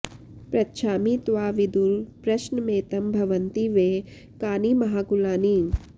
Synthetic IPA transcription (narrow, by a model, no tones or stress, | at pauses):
pɾɐt̪ʃʰaːmit̪ʋaːʋid̪uɾpɾɐʃnəmeːt̪ɐmbʱɐʋənt̪iʋẽː | kaːnimɐɦaːkulaːniː